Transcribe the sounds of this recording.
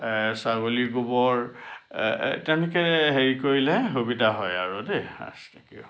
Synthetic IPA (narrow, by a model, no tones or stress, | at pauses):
saɡoliɡubɔɹ | tɛnikɛɦeɹikoɹilɛɦubidaɦɔjaɹudea̰stakiʊ